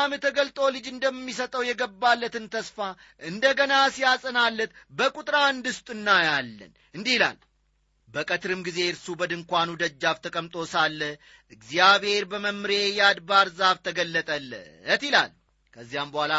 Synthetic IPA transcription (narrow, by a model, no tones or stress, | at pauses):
amət̪ʰːəɡəlt̪ʼolɨd͡ʒɨnd̪əmːisət̪ʼəwjɛɡəbːalːət̪ɨnt̪ʰəsfa | ʔɨnd̪əɡənasijasʼənalːət̪bəkʼut̪ʼɾand̪ɨst̪ʼɨnːajalːə̰n | ɨnd̪ihila̰l | bəkʼət̪ɾɨmɡize̞ɾsubəd̪ɨŋkʷanud̪əd͡ʒːaft̪ʰəkʼəmt̪ʼo̞salːə | ʔɨɡzjaβhe̞ɾbəməmɾejad̪baɾzaβt̪ʰəɡəlːət̪ʼəlːə̰ət̪ila̰l | kʰəzːijambəhʷala